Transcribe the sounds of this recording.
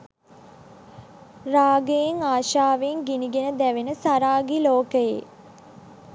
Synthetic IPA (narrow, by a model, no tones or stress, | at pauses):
raːɡəjeŋaːʃaːʋeŋɡiniɡenəd̪æʋenəsaɾaːɡiloːkəjḛ